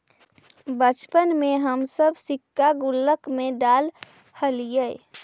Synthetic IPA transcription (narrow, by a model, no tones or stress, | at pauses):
bət͡ʃpənmẽɦəmsəbsɪkːaɡʊlːəkmẽɖaːl | həlijə